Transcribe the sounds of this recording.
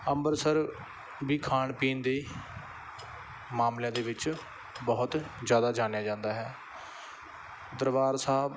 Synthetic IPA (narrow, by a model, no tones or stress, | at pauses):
əmbəɾsəɾ | biːkʰaːɳpiːnd̪eː | maːmljãːd̪eːʋɪt͡ʃ | bɔɦʊt̪zjaːd̪aːd͡ʒaːnjaːd͡ʒãːnd̪aːɦɛː | d̪əɾʋaːɾsaːb